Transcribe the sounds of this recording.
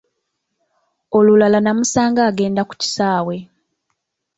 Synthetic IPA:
o̞lulalanamusaːŋɡaːɡe̞ːndaku̥ci̥saːwe̞

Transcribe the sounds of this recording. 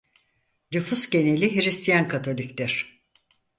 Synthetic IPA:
nʲyfusɟe̞nelʲiɦiɾist̪ʰijænkʰat̪ʰo̞lʲiclʲæɾ̥

